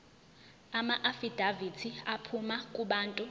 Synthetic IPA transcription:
amaʔafid̥ʱavitʰiapʰumakʼuɓaːntʼu

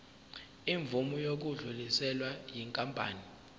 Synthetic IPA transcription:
iɱvumujok̬uɮulisɛlwajiŋkʼampʼa̰ːni

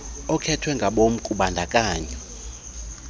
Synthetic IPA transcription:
ɔkʰɛtʰwɛŋɡʱaɓom̩kʼuɓandʱakʼaːɲɛ

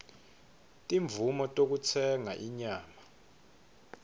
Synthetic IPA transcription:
tʼiɱbvumɔtʼok̬ut͡sʰɛŋaʔiɲaːma

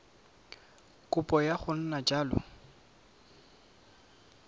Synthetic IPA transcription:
kʼʊpʼɔjaχʊn̩nat͡ʃʼaːlɔ̰

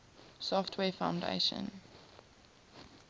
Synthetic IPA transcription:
sɔftʰwɛːfãʊ̃ndḛɪʃə̰̃n

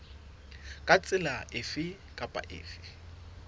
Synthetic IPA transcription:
kʼat͡sʼɪlaʔɪfɪ | kʼapʼa̰ʔɪ̰ːfɪ

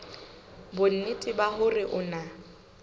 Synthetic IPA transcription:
bʊn̩nɪtʼɪbahʊrɪʔʊna

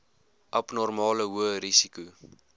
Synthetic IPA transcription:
ʔɐpnɔrmɑːləɦuəɾisiku

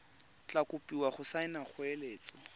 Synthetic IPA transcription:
t͡ɬakʊpʼiwaχʊsaɪnaχʊeleːt͡sɔ

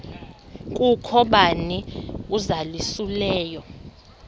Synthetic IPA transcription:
kʼukʰɔɓaniuzalisulɛːjɔ

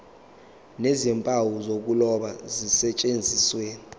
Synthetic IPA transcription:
nezimpʼawuzok̬ulɔɓazisɛt͡ʃʼend͡zʱisweːni

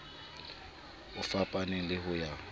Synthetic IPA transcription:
ʊfapʼanɛlɪɦʊja

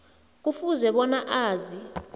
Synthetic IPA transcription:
k̬ʼufuzɛɓɔnaʔaːzi

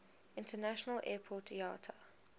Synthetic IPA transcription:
ɪ̃ntənaʃənəlʔɛːpʰɔtia̰ːtʰə

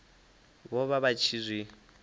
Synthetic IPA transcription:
βɔβaβat͡ʃʰizʷwi

